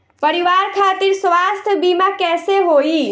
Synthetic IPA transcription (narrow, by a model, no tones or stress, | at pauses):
pəɾiʋaːɾkʰaːt̪ɪɾsʋast̪ʰəbimakɛːseɦoːi